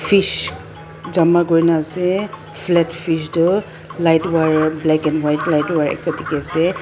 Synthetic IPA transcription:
fʰiʃ | zamaɡojnasɛ | fʰlɛtfʰiʃdɔ | lajtwaɹblɛkɛnwajtlajtwaɹɛ̰kɔtʰikɛasɛ

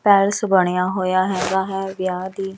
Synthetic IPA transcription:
pɛːɾsbəɽ̃ejaːɦoːjaːɦɛːɡaːɦɛːʋɪjaːd̪iː

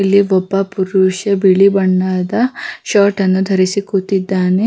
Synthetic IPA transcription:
lːiʋɔbːɐpuɾuʃɐbiɭibɐɳɖaːd̪ɐʃaːʈɐnːud̪ʱɐɾisikut̪id̪ːaːne

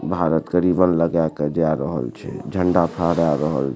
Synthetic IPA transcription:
bʱaɾət̪kəɾibənləɡjaked͡ʒaɾəɦə̰lt͡ʃʰɛ̰d͡ʒʱəɳɖapʰəɦɽaɾəɦə̰l

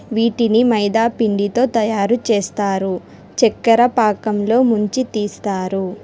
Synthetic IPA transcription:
ʋiːʈinimɐjd̪aːpiɳɖit̪o̞ːt̪ɐjaːɾut͡ʃeːst̪aːɾu | t͡ʃɛkːɐɾɐpaːkɐmlo̞ːmuɲt͡ʃit̪iːst̪aːɾu

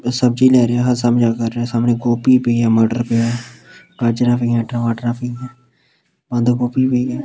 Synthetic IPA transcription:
səb̚d͡ʒiːlɛːɾeɛːɦəɾsəmd͡ʒaːkəɾːeɛːsaːmnẽːɡoːpiːpeɛːməːɖəɾpeaːkad͡ʒnãːpʰiːãːʈːʋaːʈnãːpʰiːɡɛː | bə̃nd̪ɡoːpiːpeɛː

